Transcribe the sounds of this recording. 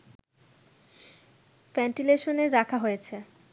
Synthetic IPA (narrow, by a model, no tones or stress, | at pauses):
fɛɳʈileʃoneɾːakʰaɦojet͡ɕʰe